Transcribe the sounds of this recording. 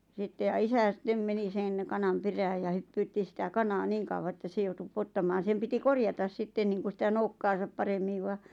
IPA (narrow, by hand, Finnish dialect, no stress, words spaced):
sitːe jɑ isæ sĭtːem meni sen kɑnɑm peræːj jɑ hypːyːtːi sĭtæ kɑnɑː niːŋ kɑuwɑ ĕtːæ se joutu pŭotːɑmɑːn̞ sem piti korjɑtɑs sitːen niːŋku sĭtæ noukːɑːsɑp pɑremːiʋ ʋɑ